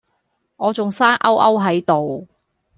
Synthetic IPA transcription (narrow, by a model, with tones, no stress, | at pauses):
ŋɔː˨˧t͡sʊ˨ŋsaː˥nʔɐ˥wʔɐ˥wɦɐ˨˥jt̪o˨w